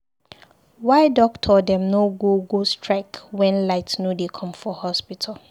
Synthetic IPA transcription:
waɪdɔk̚tʰɔdɛ̃mnoɡoɡostʰɹakwɛ̃nlaɪtsnudekʰɔ̃mfɔhɔspitʰal

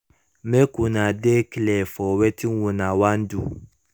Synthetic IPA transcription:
mɛkunãdeklɛfɔwɛtiwũnãwan̩du

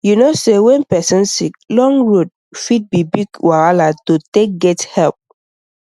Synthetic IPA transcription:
junosewɛ̃npɛsɔ̃nsik̚lɔ̃ŋɹod̚ | fit̚bibiɡwaɹalatotek̚ɡɛthɛlp̚

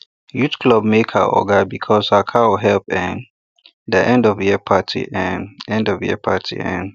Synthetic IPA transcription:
jutkʰlɔb̚mekhə̰ʔɔ̰ɡəbikʰɔsakʰaɔɦɛlpɛ̃n | dəʔɛ̃ndɔvjiəpʰatʰḭʔɛ̃nɛ̃ndɔvjɛ̰pʰatʰḭɛ̰̃n

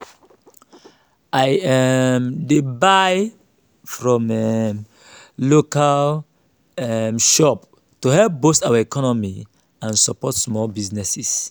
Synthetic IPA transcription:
ajɛmdebaj | fɹɔ̃mɛm | lokal | ɛmʃɔp̚ | tuhɛlp̚bostawəikʰɔnɔmi | ãnsapɔtsmɔlbiznɛsis

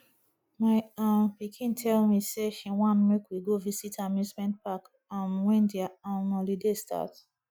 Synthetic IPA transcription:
maɪãmpikʰĩntʰɛlmiseʃiwɔ̃nmekwiɡovisitʰamĩsmɛ̃nt̚pak | ãmwɛ̃ndiaãnɔ̃lidestʰa̰t

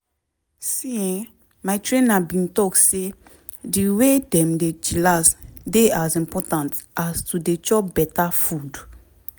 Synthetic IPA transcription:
siĩŋ | majtɹẽnabĩntɔkse | diwedɛ̃mded͡ʒilasdeazĩmpɔtãntastudet͡ʃɔbɛtafud

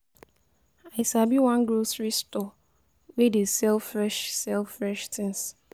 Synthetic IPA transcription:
aɪsabiwãnɡɹosɹistɔ | wedesɛlfɹɛʃsɛlfɹɛʃtʰɪ̃ns

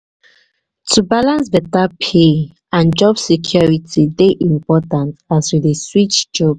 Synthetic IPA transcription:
tʰubalãnsvɛtapʰe | ãnd͡ʒɔbsɛkʰjɔɹitʰideʔĩmpɔtãntaswideswit͡ʃd͡ʒɔb̚

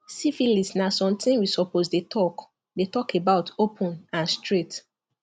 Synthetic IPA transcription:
sifilisnasɔ̃mtʰĩnwisɔposdetʰɔk | detɔkebaʊtopʰɔ̃nãnstʰɹet

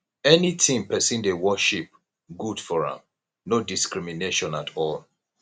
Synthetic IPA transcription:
ɛnitʰĩmpɛsĩndewɔʃip̚ | ɡud̥fɔɹã̰m | nodiskɹimineʃɔ̃natʰɔl

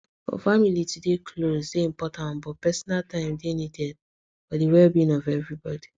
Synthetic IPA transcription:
fɔ̰familitudekʰlozdeĩmpɔtãñbɔpɛsɔnaltʰãɪ̃mdenidɛd̚ | fɔdewɛlbĩnɔvɛvɹibɔdi

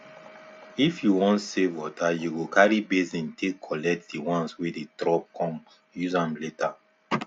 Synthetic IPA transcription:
ifjuwɔ̃ntsevwɔtajuɡokaɹibezĩntʰekʰɔlɛk̚tdiwãnswededɾɔp̚kʰɔ̃m | juzãmleta

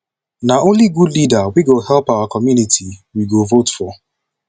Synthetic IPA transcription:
naõnliɡudlidawiɡohɛlpaʊakɔmjunitʰiwiɡovotfɔ

